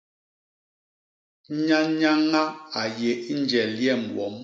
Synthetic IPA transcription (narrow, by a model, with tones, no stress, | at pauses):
ɲa˦ɲa˦ŋa˦a˨je˨i˦n˦d͡ʒɛ˨ljɛ˦˨m˨wɔ̰˨˦m